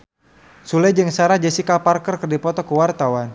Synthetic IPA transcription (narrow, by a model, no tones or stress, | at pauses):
sulɛd͡ʒəŋsaɾad͡ʒəsikaparkərkərdipɔt̪ɔkəwart̪awan